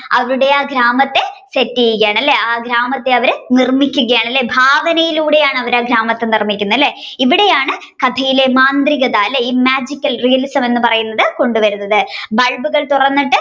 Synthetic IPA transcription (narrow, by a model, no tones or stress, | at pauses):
ɐʋɐɾuɽe̞aːɡɾaːmɐt̪ːe̞setːijikːɐjaːɳɐlːe̞aːɡɾaːmɐt̪ːe̞ɐʋɐɾnirmikʲːuɣɐjaːɳɐlːe̞bʱaːʋɐnɐjiluːɽe̞jaːɳɨɐʋɐɾaːɡɾaːmɐt̪ːenirmikʲːunːɐlːe̞ | iʋiɽe̞jaːɳɨ | kɐd̪ʰʱɐjilemaːnd̪riɣɐðaːlːɐiːmaːd͡ʑikʲːɐlrijɐlisɐme̞nːɨpɐrɐjunːɐðɨko̞ɳɖuʋɐɾunːɐðɨbɐɻbuɣɐɭt̪urɐnːiʈːɨ